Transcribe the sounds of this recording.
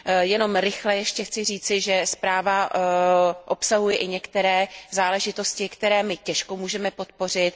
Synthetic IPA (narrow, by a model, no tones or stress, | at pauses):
jɛno̞mɾɪxlɛjɛʃcɛxt͡sɪriːt͡sɪʒɛspɾaːva | ʔopsaɦujɛʔɪɲɛkt̪ɛɾɛːzaːlɛʒɪt̪o̞scɪkt̪ɛɾɛːmɪcɛʃkomuːʒɛmɛpo̞t̪po̞r̝ɪt̪